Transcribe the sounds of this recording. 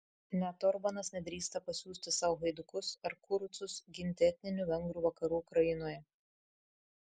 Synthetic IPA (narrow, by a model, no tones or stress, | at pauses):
nʲɛt̪ɔɾbɐnɐsnʲɛd̪ʲɾʲiːst̪ɐpɐsʲuːsʲt̪ʲɪsɑʊɦɐɪd̪ʊkʊsɐɾkʊɾʊt̪sʊsɡʲɪnʲt̪ʲɛt̪ʲnʲɪnʲuʋʲɛŋɡɾuːʋɐkɐɾuːkɾɐjɪnoːjɛ